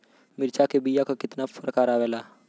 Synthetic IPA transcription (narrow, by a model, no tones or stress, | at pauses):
mɪɾt͡ʃakebijakakɪt̪nafəɾkaːɾaːʋeːlaː